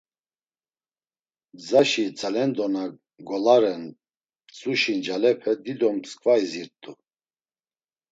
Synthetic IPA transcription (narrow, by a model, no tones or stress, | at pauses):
d͡zaʃit͡sʰʼalɛnd̪ɔna | ɡɔlaɾɛn | t͡sʼuʃind͡ʒalɛpʰɛd̪id̪ɔmskʼvaiziɾt̪ʼu